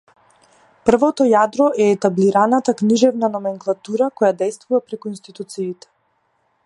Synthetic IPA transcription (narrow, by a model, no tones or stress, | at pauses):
pr̩vɔt̪ɔjad̪ɾɔʔɛːt̪abliɾanat̪akniʒɛvnanɔmɛŋklˠat̪uɾakɔjad̪ɛjst̪vuvapɾɛkuinst̪it̪ut̪siːt̪ɛ̥